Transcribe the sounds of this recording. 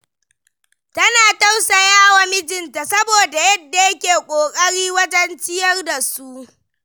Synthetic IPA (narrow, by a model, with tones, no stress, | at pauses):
tɐ˦naː˨ta˦wsa˨jaː˦˨wa˦mɪ˦d͡ʒɪ˨nta˨sɐ˦boː˨da˨jɐ˦dːa˨jɐ˦kʲeː˨kʷʼoː˨kʼɐ˦ɽiː˦wɐ˦tɐ˦nt͡ʃɪ˦jɐ˦rda˨su˦ʔ